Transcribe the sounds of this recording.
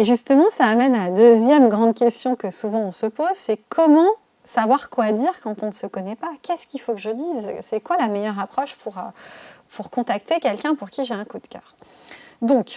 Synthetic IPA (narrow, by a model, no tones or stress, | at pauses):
eʒyst̪əmɑ̃saːmɛnalad̪øzjɛmɡʁɑ̃d̪kʲɛst̪jɔ̃kəsuvɑ̃ɔ̃səpozsɛkʰɔmɑ̃ | savwaʁkwad̪iʁkɑ̃t̪ɔ̃nəsəkɔnɛpakʲɛskʲifokəʒəd̪izsɛkwalamejœʁapχɔʃpʰuʁøpuʁkɔ̃t̪akt̪ekʲɛlkʲɛ̃puʁkʲiʒeɛ̃kud̪kʲœ̰ːʁ | d̪ɔ̃k